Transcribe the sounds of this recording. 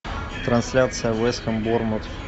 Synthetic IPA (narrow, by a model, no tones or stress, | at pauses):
t̪ɾɐnsʲlʲat̪sɨjəvɛsxəmbormot̪